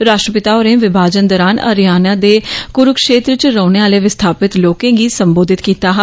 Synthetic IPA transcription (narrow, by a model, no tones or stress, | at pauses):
ɾaːʃʈɾəpɪt̪aːoːɾẽːʋɪbʱaːd͡ʒənd̪ɔːɾaːnə̰ɾjaːnãːd̪eːkʊɾʊkʃeːt̪ɾət͡ʃɾəːneːaːleːʋɪst̪ʰaːpɪt̪loːkẽːɡiːsəmboːd̪ʱɪt̪kiːt̪aːɦ